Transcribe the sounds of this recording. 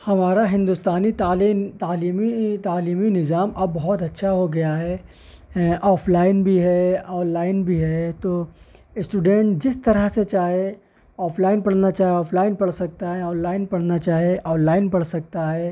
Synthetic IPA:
hɐmaːɾaɦɪ̃nd̪ust̪aːnit̪aːlit̪aːliːmit̪aːliːminɪzaːmʔɐbːɐɦʊt̪ɐtːʃʰaɦoɡɐjaɦɛ | ʔɔːpʰlaːɪnbʱiɦɛɔːnlaːɪnbʱiɦɛt̪oːɪsʈuːɖɛ̃ɳʈd͡ʒɪst̪ɐɾəɦset͡ʃaːɦie | ɔːpʰlaːɪnpɐɽnat͡ʃaːɦeɔːpʰlaːɪnpɐɽsɐk̚t̪aɦɛɔːnlaːɪnpɐɽ̤nat͡ʃaːɦieʔɔːnlaːɪnpɐɽsɐk̚t̪aɦɛː

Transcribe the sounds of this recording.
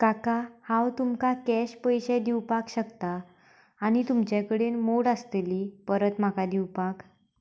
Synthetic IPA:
kakahãwt̪umkakɛɕpəjɕed̪iwpakɕəkt̪aː | ɽ̃it̪umt͡ɕjakəɽenmoɽast̪eliːpəɾət̪makad̪iwpak

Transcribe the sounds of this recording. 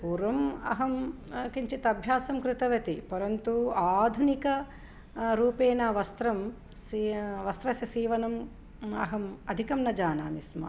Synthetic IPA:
puːɾʋɐmɐ̰ɦɐm | kiɲt͡ʃit̪ɐbʱjaːsɐmkɾɪt̪ɐʋɐt̪ipɐɾɐnt̪uaːd̪ʱunikɐ | ɾuːpeːnɐʋɐst̪ɾɐm | siʋɐst̪ɾɐsjɐsiːʋɐnɐm | ɐ̰ɦɐmɐd̪ʱikɐmnɐd͡ʒaːna̰ːmismɐ̰

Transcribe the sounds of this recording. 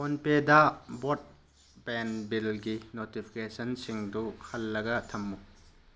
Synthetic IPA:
onpedɐbot̚ | benbilɡinotipʰi̥kesɐnsiŋduhɐlːɐɡɐtʰɐmːu

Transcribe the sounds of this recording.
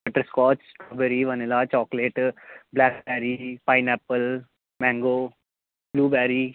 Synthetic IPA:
bəʈəɾskɔːt͡ʃʈɔːbeɾiʋɐnelat͡ʃɔːkleːʈblɛːkbɛːɾipaːɪnɛːpːəl | mɛ̃ːŋɡoː | bluːbɛːɾi

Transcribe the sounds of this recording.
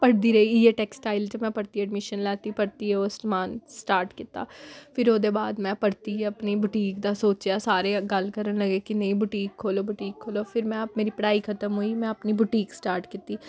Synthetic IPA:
pəɽd̪iːɾəiːeːʈɛːksʈaːɪlt͡ʃəmɛ̃ːpəɽt̪iːəɖmɪʃənlɛːt̪iːpəɽt̪iːɦɛoːsmaːnsʈaːɾʈkɪt̪a̰ːpʰɪɾoːd̪eːbaːd̪mɛ̃ːpəɽt̪iːɦɛəpniːbʊʈiːkd̪aːsoːt͡ʃjaːsaːɾeːɡəlkəɾənləɡeːkɪnə̃ĩːbʊʈiːkʰːoːloːbʊʈiːkʰːoːloːpʰɪɾmɛ̃ːap̚meːɾiːpəɽaːiːkʰət̪əmɦuːiːmɛ̃ːəpniːbʊʈiːksʈaːɾʈkɪt̪iː

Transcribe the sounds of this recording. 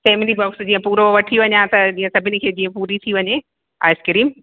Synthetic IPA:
seːmelibɔːksd͡ʑĩːə̃puːɾoʋɐʈʰiʋɐɲat̪ɐd͡ʑiːə̃sɐbʱɪnɪ̆kʰeːd͡ʑĩːə̃puːɾit̪ʰiʋɐɲe | a̰ːɪskɪɾiːm

